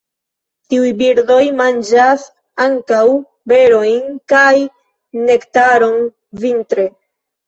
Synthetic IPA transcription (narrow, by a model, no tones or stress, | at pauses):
tiujbiɾdo̞jmand͡ʒas | aŋkaw | be̞ɾo̞jnkaj | ne̞ktaɾo̞n | vintɾe̞